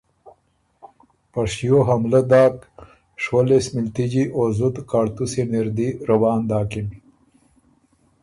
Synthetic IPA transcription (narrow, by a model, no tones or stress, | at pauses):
pɐʂjoɦɐmlɐd̪aːk | ʂwɐlesmɪlt̪id͡ʑiʔoːzut̪kaːɽt̪useniɾd̪iɾɐwɑːnd̪aːkimi